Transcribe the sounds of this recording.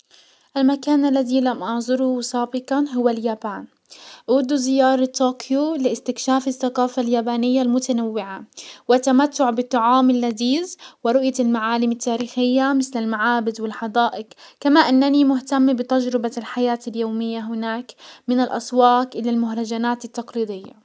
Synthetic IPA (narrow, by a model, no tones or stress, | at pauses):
ʔalmakaːnʔalːaðilamʔɑʕzˤʊɾuwsɑːbɪqɑnɦʊwːaljaːbaːn | ʔwʊd̪ːuzɪjɑːɾˤɑt̪ːoːkʰjulɪʔɪst̪ɪkʃaːfɪθːaqɑːfaljaːbaːnɪjːalmʊt̪anawːɪʕawɪt̪ːamat̪ːʊʕbɪt̪ˤːɑʕɑːmɪlːad̪iːzwɪɾʊʔjalmaʕaːlɪmɪt̪ːaːɾiːxɪjːamɪθlɪlmaʕaːbɪd̪wɪlħɑd̪ˤaːʔɪqkamaʔanːanimʊht̪amːbɪt̪ad͡ʒɾɪbalħajaːt̪ɪljoːmɪjːaɦʊnaːkmɪnɪlʔɑ̰swɑːkʔɪlalmʊɦɾˤɑd͡ʒanaːt̪ɪt̪ːɑqliːd̪ɪjːa̰